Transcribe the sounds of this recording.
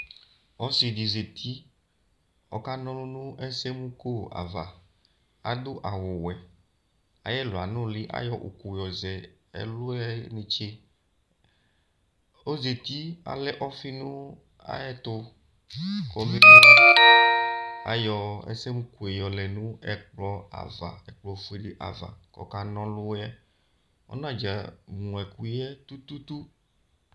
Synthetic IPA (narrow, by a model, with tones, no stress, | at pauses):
ɔ˦si˨ɖi˨ze˨t̪ʰi˦ | ɔ̰˨ka˦nɔ̃˦lõ˦nũ˦ʔɛ˦se˦mũ˦ko˦˨a̰˨va̰˨ | a̰˨d̪o˦ʔa˨wo˨wɛ˨ | a̰˨jɛ˦lo˨a̰˨nʊ̃˦li˦ʔa̰˦jɔ˨ʔo̰˨ku˨jɔ˨zɛ˨ɛ̰˦lʊ˦ɛ˦ne˨t͡ʃe˦ | o˦ze˨t̪i˦a̰˨lɛ˦ʔɔ˦fi˦nũ˦ | a̰˦ɛ˦t̪ʊ˦ | kɔ˨mĩ˦ki˦ | a̰˨jɔ˨ɛ̰˦se˦mũ˦ku˨e˨jɔ˨lɛ˨nũ˦ɛ˨k͡plɔ˦a̰˨va̰˨ɛ˨k͡plɔ˦fu˦e˦ɖi˦ʔa̰˨va̰˨kɔ̰˨ka˨nɔ̃˦lʊ˦a˦ | ɔ̰˦nã˦˨d͡ʒa˨mũ˨ɛ˨ku˦ɛ˦t̪u˦t̪u˦t̪u˦